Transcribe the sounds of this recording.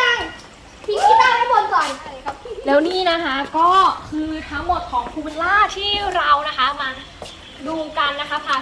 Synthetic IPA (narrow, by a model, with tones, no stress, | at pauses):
a˧˩ | pʰiː˥˩kʰiː˦˥˩aː˥˩t̪a˦˥bo˧nsɔ˨˩ja˧˩˨kʰa˦˥plɛː˦˥wniː˥˩na˦˥kʰa˦˥kɔː˥˩kʰɯː˧t̪ʰa˦˥ŋmo˨˩t̪̚kʰɔː˩˦ŋpʰuː˧nlaː˥˩t̪ʰiː˥˩ɾa˧wna˦˥kʰa˦˥maː˧ | duː˧ka˧nːa˦˥kʰa˦˥pʰaː˧˩